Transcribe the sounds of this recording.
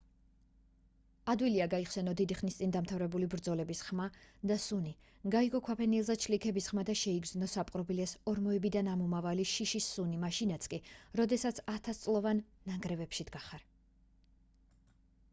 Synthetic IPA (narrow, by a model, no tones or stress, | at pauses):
ad̪wiliaɡaiχsɛnɔd̪id̪iχnist̪sʼind̪amt̪ʰavɾɛbulibɾd̪zɔlɛbisχmad̪asuni | ɡaiɡɔkʰapʰɛnilˠzat͡ʃʰlikʰɛbisχmad̪aʃɛiɡznɔsapʼqʼɾɔbilɛsɔɾmɔɛbid̪anamumavaliʃiʃisːunimaʃinat̪sʰkʼiɾɔd̪ɛsat̪sʰat̪ʰast̪sʼlˠɔvanːaŋɡɾɛvɛpʃid̪ɡaχaɾ